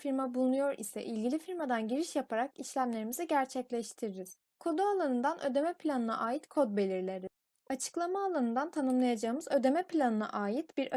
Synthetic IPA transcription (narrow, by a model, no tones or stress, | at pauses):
fiɾmabulˠunujo̞ɾʔḭsɛ̰ʔilʲɟilʲifiɾmad̪anɟiɾiʃjapʰaɾakiʃlʲæmlʲe̞ɾimiziɟæɾt͡ʃʰɛclʲɛʃt̪ʰiɾiɾiz̥ | kʰo̞d̪ualˠanɯnd̪anʔø̞̰d̪e̞mɛpʰlʲanɯna̰ʔaːjit̪kʰo̞d̪̚be̞lʲiɾlʲeɾiz̥ | at͡ʃʰɯ̥klˠamaːlˠanɯnd̪ant̪ʰanɯmlˠajad͡ʒaɯmɯzø̞d̪e̞mɛpʰlʲanɯna̰ʔaːjit̪b̥iɾ